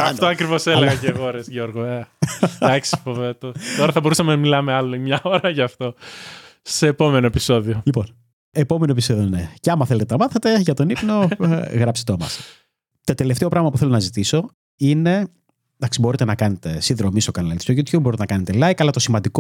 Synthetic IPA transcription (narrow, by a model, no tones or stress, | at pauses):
ɐft̪oɐkɾivo̞seleɣɐceɣo̞ɾezʝoɾɣoeɐksi̥fovet̪ot̪oɾɐθɐboɾusɐmenɐmilɐmeɐloimɲɐoɾɐʝɐft̪o̞ | se̞ːpo̞menoepiso̞ðiolipo̞n | epo̞me̞noepiso̞ðioneceɐmɐθele̞t̪eɐmɐθet̪e̞ʝɐt̪o̞nipno̞ɣɾɐpset̪omɐ̰s | t̪o̞t̪e̞le̞ft̪epɾɐɣmɐpuθelo̞nɐzit̪iso̞ | ine̞ | d̪ɐksibo̞ɾit̪enɐkɐnet̪esinðɾo̞mist̪o̞kɐnɐlist̪oʝut̪çubːoɾit̪enɐkɐne̞t̪elɐjkɐlɐt̪o̞simɐnd̪iko